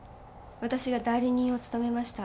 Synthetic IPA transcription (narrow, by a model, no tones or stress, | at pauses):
βat̪aɕiɡad̪aiɾʲiɲ̟ĩɰ̃o̞t͡sɨ̥t̪ame̞maɕi̥t̪a